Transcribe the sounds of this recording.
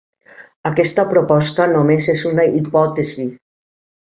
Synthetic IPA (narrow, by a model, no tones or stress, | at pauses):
akɛst̪apɾopɔst̪anomezezunaʔipɔt̪ezi